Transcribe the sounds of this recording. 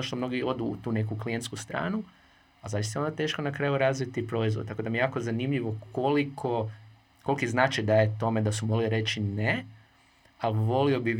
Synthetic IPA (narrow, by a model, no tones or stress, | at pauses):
oʃt̪o̞mno̞ɡio̞d̪ut̪uːne̞kuklient̪skust̪ɾa̰ːnu | azaʋist̪ajo̞nd̪at̪e̞ːʃkonakɾaːjuɾazʋit̪ipɾo̞izʋod̪̚t̪ako̞d̪amijejaːkozanimʎiʋo̞kʰolikʰo̞ | ko̞lkiznaːt͡ʃajd̪ajet̪o̞me̞d̪asumolioɾe̞t͡ʃine | aʋo̞lio̞bi